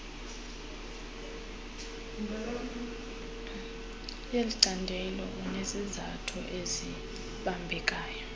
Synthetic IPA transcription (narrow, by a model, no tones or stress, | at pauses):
jeliǀandʱɛlɔ̰ʔunezizatʰɔ̰ʔezi | ɓambʱɛk̬ʼaːjɔ